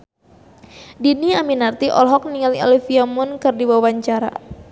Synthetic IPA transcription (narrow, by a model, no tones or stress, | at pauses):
diniaminart̪iʔɔ̰lɦɔk̚niŋaliɔ̰lifiamʊnkɨrdibawwaɲt͡ʃaɾa̰